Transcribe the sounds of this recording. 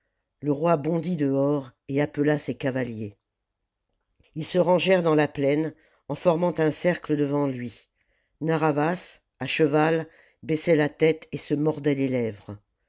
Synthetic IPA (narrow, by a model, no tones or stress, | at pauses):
ləʁwabɔ̃d̪id̪əɔʁeapəlasekavalje | ilsəʁɑ̃ʒɛʁd̪ɑ̃laplɛn | ɑ̃fɔʁmɑ̃t̪ɛ̃sɛʁkləd̪əvɑ̃lɥi | naʁavas | aʃəval | bɛsɛlat̪ɛt̪esəmɔʁd̪ɛlelɛvʁ